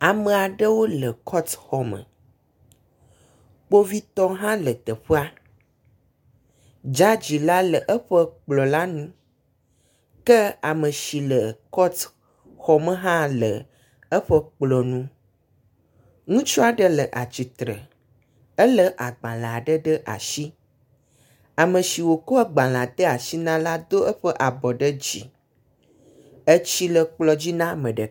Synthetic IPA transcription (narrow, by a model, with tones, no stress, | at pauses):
a˨mə̃˨a˨ɖə˦wo˦lə˨kʰɔ˦t̪xɔ˨mə̰̃˨ | k͡po˦vi˦t̪ɔ˦ɦã˦lə˨t̪ə˨ɸə˦a˦ | d͡ʒa˦d͡ʑi˨la˦lə˨ʔə˦ɸə˦k͡plɔ˨la˦nũ˦ | kə˦a˨mə̃˨ʃi˨lə˨kɔ˦t | xɔ˦mə̃˦ɦã˦lə̰˨ | ə˦ɸə˦k͡plɔ˨nũ˦ | ŋũ˦t͡ʃɔ˦a˨ɖə˦lə˨ʔa̰˨t͡ɕi˨t̪ɾə̰˨ | ə˦lə˦ʔa˨ɡ͡bã˨la˨ɖə˦ɖə˦ʔa̰˨ʃi˦ | a˨mə̃˨ʃi˨wo˨kɔ˦a˦ɡ͡bã˨la˨t̪ə˦a˨ʃi˦nã˦la˦d̪o˦ʔə˦ɸə˦ʔa˨bɔ˨ɖə˦d͡ʑḭ˨ | ə˦t͡ɕi˦lə˨k͡plɔ˨d͡ʑi˦nã˦mə̃˨ɖə˨